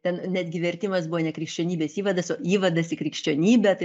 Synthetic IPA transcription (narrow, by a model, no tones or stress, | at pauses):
t̪ʲɛnnʲæːd̪ʲɡʲɪʋʲɛɾʲt̪ʲɪmɐsbuʋonʲɛkɾʲɪkʃʲt͡ʃʲoːnʲiːbʲeːsiːʋɐd̪ɐsoːiːʋɐd̪ɐsɪkɾʲɪkʃʲt͡ʃʲoːnʲiːbʲɛt̪ɐ